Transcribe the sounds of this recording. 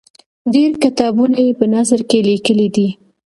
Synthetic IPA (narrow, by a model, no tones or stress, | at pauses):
ɖeɾkɪt̪ɑbunajepənazəɾkelikəlid̪i